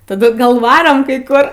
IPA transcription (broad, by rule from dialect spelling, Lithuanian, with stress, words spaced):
tɐˈdʊ ˈɡɐlˠ ˈʋɑːroːm kɐɪ ˈkʊr